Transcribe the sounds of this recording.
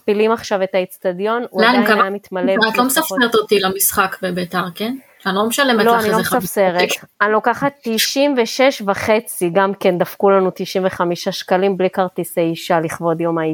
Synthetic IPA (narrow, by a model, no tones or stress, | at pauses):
pilimaχʃave̞tait͡stadjo̞nulaaaamit̪maleat̪lomesafseʁt̪ot̪ilamisχakbebet̪aʁken | anlomeʃalemeloanilomesafseʁet̪anlo̞kaχat̪ːiʃimveʃe̞ʃvaχe̞t͡siɡamke̞nd̪afkulanut̪iʃimveχamiʃaʃkalimblikaʁt̪isejiʃaliχvo̞djo̞mai